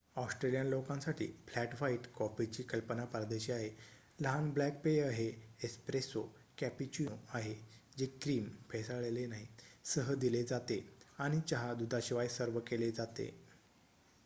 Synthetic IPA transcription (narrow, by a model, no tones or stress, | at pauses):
ɔsʈɾelijanlokãnsaʈʰḭːflæʈʋaiʈkɔpit͡ɕiːkəlpənapɾad̪əɕiaɦe | ləɦanblæk̚peəɦeespɾeso | kæpit͡ɕuaɦed͡ʑekɾiːmpʰesaɭelenaɦisəɦəd̪iled͡zat̪eaɽ̃it͡ɕaɦad̪ud̪ʱaɕiʋajsəɾʋəkeled͡zat̪ḛ